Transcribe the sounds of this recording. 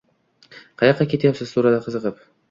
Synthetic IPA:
qʰɑjɑqːɑkʲʰe̞t̪ʰjapsɪzt̪ʰuɾad̪aqʰəzɨqɨp

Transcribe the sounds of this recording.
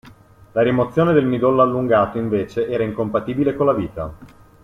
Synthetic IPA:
laɾimot̪sːjoːned̪elmid̪olːalːuŋɡaːt̪oiɱveːt͡ʃeʔɛːɾaiŋkompat̪iːbilekolːaviːt̪a̰

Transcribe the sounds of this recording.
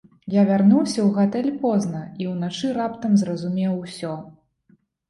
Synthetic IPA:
javʲarnuwsʲɐwɣat̪ɛlʲpɔznɐiwnat͡ʂɨɾapt̪ɐmzrɐzumʲɛwsʲɔ

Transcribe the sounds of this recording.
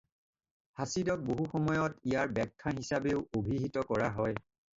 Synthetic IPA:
hasidɔk̚boɦuxɔmɔjɔtijaɹbɛkʰːaɦisabeʊobʱiɦitɔkɔɹaɦɔj

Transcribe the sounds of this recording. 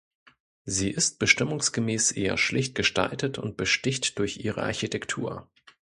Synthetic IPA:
ziːʔɪst̚b̥əʃtɪmʊŋsɡ̥əmeːsʔeːɐ̰ʃlɪçt̚ɡ̥əʃta̰ltətʊ̰nt̚b̥əʃtɪçtd̥ʊɐçʔiːʁ̞ə̰ʔaɐçitʰɛktʰuːɐ

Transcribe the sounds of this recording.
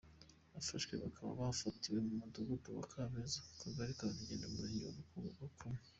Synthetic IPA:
βafaʃkwe̞̰βakʰaβa̰βafatiwe̞mumuduɡupuβa̰kʰamezakʰaɡaɾikaβaβiɟeːndamuɾio̰βukuŋoβakʰume

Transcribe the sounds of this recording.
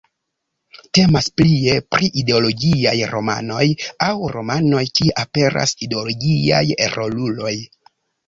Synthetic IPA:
te̞masplie̞pɾʔiʔide̞o̞lo̞ɡiajɾo̞ma̰no̞jawɾo̞mano̞jkieʔape̞ɾʔa̰sideoloɡia̰jeɾʔo̞lulo̞j

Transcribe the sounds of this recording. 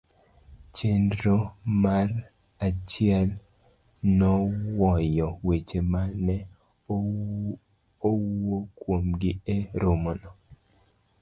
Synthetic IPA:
t͡ʃendɾomar | at͡ʃɪɛl | nɔwɔjɔwet͡ʃemanɛ | owokwomɡɪeɾʊmɔnɔ

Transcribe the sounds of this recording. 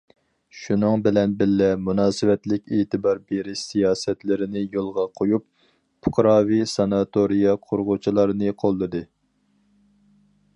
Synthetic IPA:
ʃunɨŋbɪlɛnbɪlːɛmunɑːsɨwɛt̪lɪkʲeːt̪ʰɨbɑɾbeɾɪʃsijɑːsɛt̪lɪɾɪnɪjolˠʁɑqʰojup̚ | pʰʊ̥qʰɾɑːvisɑnɑt̪ʰoɾijɑqʰoɾʁʊt͡ʃʰilˠɑɾnɨqʰolˠːɨd̪ɨ

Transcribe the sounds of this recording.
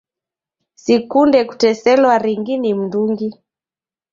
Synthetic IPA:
sikundɛku̥tɛsɛlwaɾiŋɡinim̩nduŋɡi

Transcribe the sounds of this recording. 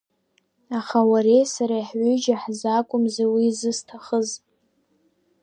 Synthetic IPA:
aχawaɾejsaɾaiħʕʏd͡ʒaħzakʷʼʊmzewizɨstʰaχəz

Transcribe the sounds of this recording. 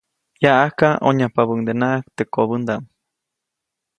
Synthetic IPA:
jaʔahkaoɲapaβəŋd̪enaʔak̚t̪ekoβənd̪am

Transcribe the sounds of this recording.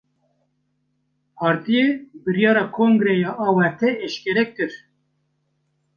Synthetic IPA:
pʰɑːɾt̪ijebɨɾjɑːɾɑːkʰoːŋɡɾɛjɑːʔɑːwɛɾt̪ʰɛɛʃkʲɛɾɛkːɨɾ

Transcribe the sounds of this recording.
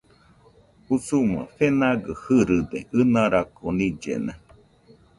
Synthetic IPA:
usumã̰fenaɡɨhɨɾɨd̪eɨnãɾakonĩd͡ʒḛnã

